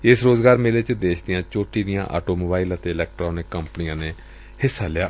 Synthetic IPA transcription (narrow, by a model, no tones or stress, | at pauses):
ɪsɾoːzɡaːɾmɪleːt͡ʃd̪eːʃʰd̪ɪjãːt͡ʃoːʈiːd̪ɪjã̰ːʔa̰ːʈoːmoːbaːɪlət̪eːɪlɛːk̚ʈɾoːnɪkːəmpənijãːneː | hɪsːaːlɪjaː